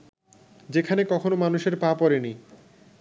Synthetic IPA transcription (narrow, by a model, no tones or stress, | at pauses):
d͡ʑekʰanekɔkʰonomanuʃeɾpapɔɾeni